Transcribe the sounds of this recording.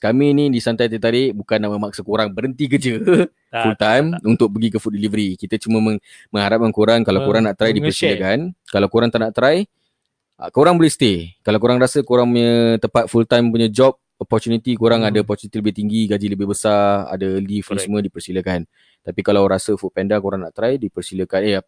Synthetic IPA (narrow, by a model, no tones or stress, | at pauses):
kamĩnĩdisant̪ajt̪ajt̪aɾɪʔbukanaʔməmak̚səkoɾaŋbəɾənt̪ik̬əd͡ʒə | fult̪ajmunt̪ʊk̚bəɡikəfutdəlivəɾikit̪ət͡ʃumə̃məŋ | mə̃ŋhaɾap̚kankoɾaŋkalawkoɾaŋnaʔt̪ɾajdipəəsilakankalawkoɾaŋt̪anaʔt̪ɾaj | a̰koɾaŋbolɛhst̪ekalawkoɾaŋɾasəkoɾaŋpuɲət̪əpat̪̚fult̪ajməpuɲad͡ʒɔp̚ | ɔpɔrt̪unit̪ikoɾaŋadaɔpɔrt͡ʃ̪unit̪iləbɪht̪iŋɡiɡad͡ʒiləbɪhbəsaa̰dalifnisəmə̃dipərsiləkan | t̪apikalawɾasəfut̪̚pɛndakoɾaŋnaʔt̪ɾajdipərsiləkanea